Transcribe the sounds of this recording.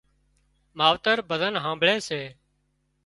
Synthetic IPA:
maːʋt̪əɾbəd̪ʱənɦãːmbɭeːseː

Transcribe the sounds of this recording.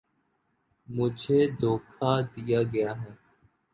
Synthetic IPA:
mʊd͡ʒʱeːd̪oːkʰaːd̪ɪjaːɡəjaːɦɛː

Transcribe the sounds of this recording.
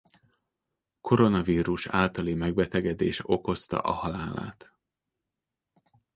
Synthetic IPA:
kʰo̞ɾo̞nɒviːɾuʃaːlt̪ɒlimɛɡbɛt̪ɛɡɛd̪ḛːʃo̞ko̞st̪ɒ̰ʔɒhɒlaːla̰ːt̪

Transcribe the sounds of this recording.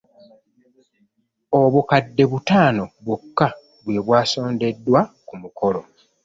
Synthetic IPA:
o̞βukadːe̞βutaːno̞βukːa | βwe̞ːβwaːso̞ːnde̞dːwa | kumukʰo̞lo̞

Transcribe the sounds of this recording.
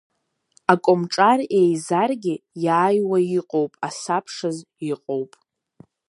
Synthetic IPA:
akʷʼomʈ͡ʂʼarejzarɡʲɪjaːjwajiqʼowpʼasapʰʂɨz | iqʼowpʼ

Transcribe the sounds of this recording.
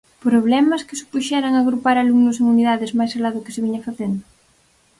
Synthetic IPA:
pɾoβ̞lɛmɐskɪsɪ̥puʃɛɾaŋaɣɾupaɾaluŋnʊseŋuniðaðɪzmajsalaðʊkɪ̥sɪβiɲɐfaθend̪ʊ

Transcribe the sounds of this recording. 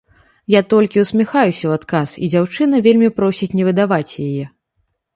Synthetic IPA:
jat̪ɔlʲkʲiuwsʲmʲɛxajusʲɐwat̪kasḭd͡zʲawt͡ʂɨnɐvʲelʲmʲipɾɔsʲit͡sʲnʲɛvɨd̪avat͡sʲjajɛ

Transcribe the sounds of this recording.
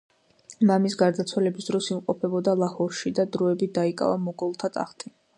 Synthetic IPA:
mamisɡaɾd̪at̪sʰwalɛbisd̪ɾɔsimqʼɔpʰɛbɔd̪alˠahɔɾʃid̪ad̪ɾɔɛbid̪aikʼa̰vamɔɡɔlˠt̪ʰat̪ʼa̰χt̪ʰi

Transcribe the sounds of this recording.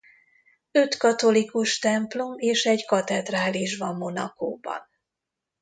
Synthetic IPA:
øt̪kɒt̪o̞likuʃt̪ɛmplo̞meːʃɛɟkɒt̪ɛd̪raːliʒbɒmːo̞nɒ̰ko̰ːbɒ̰n

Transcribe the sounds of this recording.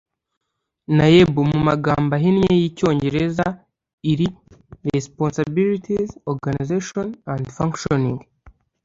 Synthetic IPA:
najebumumaɡaːmbaɦinɲejico̞ːɲɟe̞ɾe̞za | iɾiɾesponsabilitʰizoɾɡanizeʃonãndfaŋkʃoniŋɡ

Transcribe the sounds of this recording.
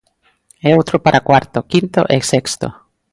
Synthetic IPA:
eowt̪ɾopaɾʔakwaɾt̪okint̪o̰ʔɛsekst̪o̰

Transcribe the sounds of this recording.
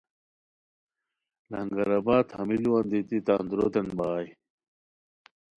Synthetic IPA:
lɐŋɡɐɾɐbaːt̪hɐmilwand̪it̪it̪aːnd̪ɾoːt̪ɐnbaːj

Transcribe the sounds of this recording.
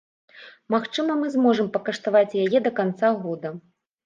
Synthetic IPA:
maxt͡ʂɨmɐmɨzmɔʐɐmpɐkɐʂt̪avat͡sʲjajɛd̪ɐkant̪saɣɔd̪ɐ

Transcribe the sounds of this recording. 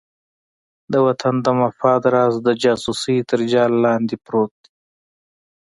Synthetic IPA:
d̪əwat̪ʰand̪əmafɑːd̪ɾɑːzd̪əd͡ʒɑːsusit̪əɾd͡ʒɑːlːɑnd̪ipɾot̪̚d̪i̥

